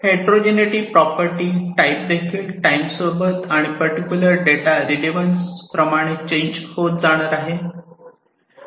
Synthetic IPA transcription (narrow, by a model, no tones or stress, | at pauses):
heʈɾod͡ʑeniʈiːpɾɔpəɾʈiːʈajp̚d̪ekʰiːlʈajmsobət̪aɽ̃ipəɾʈikʲjuləɾɖeʈaɾiɖiʋənspɾəmaɽ̃et͡ɕẽɲd͡ʑhot̪̚d͡zaɽ̃əɾaɦe